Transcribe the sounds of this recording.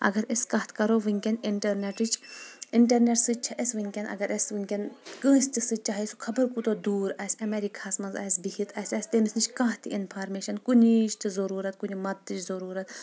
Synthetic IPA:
ɐ̰ɡɐɾeskɐɦt̪ʰkɐɾoːʋɨŋʲkʲeniɳʈɐɾneʈɨt͡ʃiɳʈɐɾneʈsɨt͡ʃʰɐʔesʋɨŋʲkʲenʔɐ̰ɡɐɾesʋɨŋʲkʲenkə̃ːsʲt̪isɨt͡ʃaːɦisukʰɐbɐɾkut̪od̪uːɾɐːsʲɐmeɾikʰaːsmɐnzɐ̰ːsbihit̪ʰɐsʲɐsʲt̪enisnit͡ʃʰkãːɦt̪ʰiʔinpʰaːɾmeːʃɐnkunit͡ʃt̪ɨzɐɾuːɾɐt̪kunʲimɐd̪̚t̪ːɨt͡ʃzɐɾuːɾɐt̪

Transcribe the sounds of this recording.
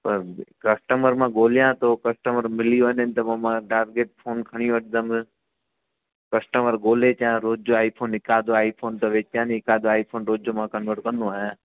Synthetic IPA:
pəɾkəsʈəməɾmãːɡoːlɪjãːt̪oːkəsʈəməɾmɪlijoːnɪnt̪ɐʋɐmãːʈaːɾɡeːʈ̚pʰoːnkʰəɽ̃iõʋəʈ̚ʰd̪əm | kəsʈəməɾɡoːleːt͡ʃjãːɾoːd͡ʒoaːipʰoːnɪkaːd̪oːaːipʰoːnt̪ɐʋeːt͡ʃjãːniɪkaːd̪oaːipʰoːnɾoːd͡ʒoːmãːkənʋəɾʈkə̃nd̪õaːjãː

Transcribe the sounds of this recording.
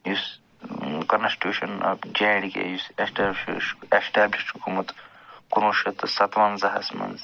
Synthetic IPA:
jus | kɐnsʈʲjuːʃɐnɐ̰bd͡ʒaːɽikḛjusesʈːʃʃesʈæːbliʃʈhukuːmɐt̪ | kunoʃɐt̪sɐt̪ʋɐnzɐɦɐ̰smɐ̰nz

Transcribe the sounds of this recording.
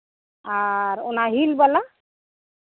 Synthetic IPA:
aɾo̰naɦilbəla

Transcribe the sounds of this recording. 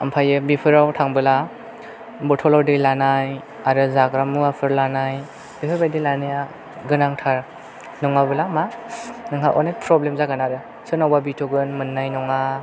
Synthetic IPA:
ampʰajɯbipʰɯɾawtʰaŋbɯla | bɔtʰɔlɔdɯjlanaj | aɾɯzaɡɾamuapʰɯɾlanaj | b̥ipʰɯɾbajdɯlanɯja | ɡɯnaŋtʰaɾ | nɔŋabɯlamanɯŋɦa̰ʔɔ̰nepʰɾɔblemzaɡanaɾɯ | sɯnawbabitʰɔɡɯnmɯnːajnɔŋa

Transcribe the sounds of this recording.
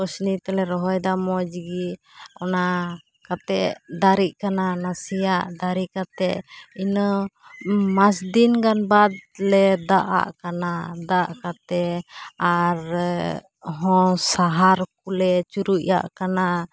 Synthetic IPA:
ɔsnit̪ɛlɛɾɔɦɔjd̪amɔd͡ʒɡiɔna | kat̪ɛʔd̪aɾiʔ̚kananasijaʔd̪aɾiʔkat̪ɛʔinɔ | masd̪inɡanbad̪̚lɛd̪aʔa̰ʔkanad̪aʔkat̪ɛaɾ | ɦɔ̃saɦaɾk̚ulɛt͡ʃuɾuʔja̰ʔkana

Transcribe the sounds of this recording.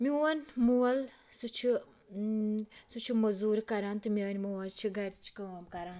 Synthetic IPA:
miuɐnmuwɐl | sut͡ʃʰi | sut͡ʃʰimɐzuːɾkɐɾaːnt̪ɨmiəːnʲmuwɐlt͡ʃʰiɡɐɾt͡ʃʰkɐɐmkɐɾaːn

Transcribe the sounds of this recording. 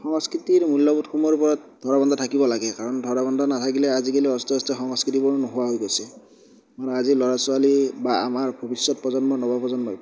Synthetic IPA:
xɔŋskɹitiɹmulːɔbutkʰumɔɹupɔɹɔt̚dʱɔɹabɔndʱɔtʰakibɔlaɡɛkaɹɔndʱɔɹaβɔndʱɔnatʰakilɛazikeliɔstɔstɔxɔŋskɹit̬ibɔɹunɔɦʊwaɦojɡosi | manɛazilɔɹasualibaa̰maɹbʱɔbisjɔt̚pɔzɔnbɔnɔbʱapɔzɔnbɔ

